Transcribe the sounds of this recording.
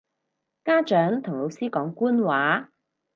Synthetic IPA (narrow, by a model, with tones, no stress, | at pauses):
kaː˥t͡ʃœː˨˥ŋt̪ʰʊ˨˩ŋlo˨˧wsiː˥kɔː˨˥ŋkuː˥nwaː˨˥